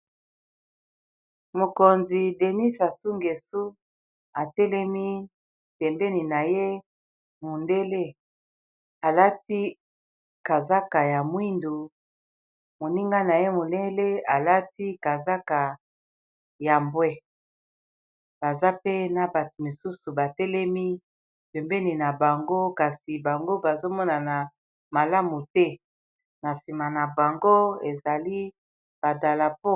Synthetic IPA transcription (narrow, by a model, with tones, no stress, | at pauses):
mo˨ko˨nzi˨de˨ni˦sa˨su˦ŋɡe˨su˦ | a˨tɛ˦lɛ˦mi˦ | pɛ˨mbɛ˦ni˨na˨je˦ | mo˨nde˦le˦ | a˨la˦ti˦ | ka˨za˦ka˨ja˨mwi˦ndu˨ | mo˨ni˦ŋɡa˦na˨je˦mo˨le˦le˦a˨la˦ti˦ka˨za˦ka˨ | ja˨mbwɛ˦ | b̥a˨za˦pe˦na˨ba˨tu˨mo˨su˦su˨ba˨tɛ˦lɛ˦mi˦ | pɛ˨mbɛ˦ni˨na˨ba˨ŋɡo˦ka˨si˨ba˨ŋɡo˦ba˨zo˦mɔ˦na˨na˨ | ma˨la˦mu˨tɛ˦ | na˨si˨ma˨na˨ba˨ŋɡo˦e˨za˨li˦ | b̥a˨da˨la˨po˦